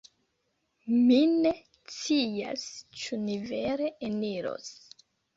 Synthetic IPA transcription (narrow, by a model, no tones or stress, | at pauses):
mine̞ | t͡sia̰st͡ʃunive̞ɾe̞eniɾo̞̰s